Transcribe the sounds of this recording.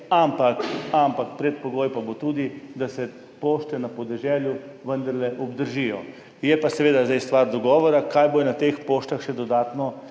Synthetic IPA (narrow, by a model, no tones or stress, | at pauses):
ampakampakpɾɛt̪̚poɡoːjpabot̪uːd̪id̪asɛ | poːʃt̪ɛnapɔd̪ɛʒɛːljuʋənd̪ɐɾlɛʔɔbd̪əɾʒijɔ | jɛpasɛʋeːd̪azd̪ajst̪ʋaːɾd̪ɔɡɔːʋɔɾakaːjbojɛnat̪eːxpoːʃt̪axʃɛd̪ɔd̪aːt̪nɔ